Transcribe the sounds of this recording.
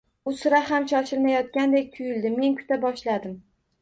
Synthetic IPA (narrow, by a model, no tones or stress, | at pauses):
ʊsʊɾahamʃɒʃɪɾmajɒt̪̚kʲand̪ek̚ʲt̪ʰʊjɪld̪ɪmːe̞nkʲʰʊ̥t̪ʰabɒʃlad̪ɪm